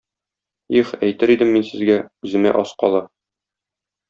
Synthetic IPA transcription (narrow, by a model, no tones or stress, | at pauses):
iχæjt̪ɘɾid̪ɘmːinsɘ̆zɡæʉzɘ̆mæ̰ʔɒsqɒlˠɤ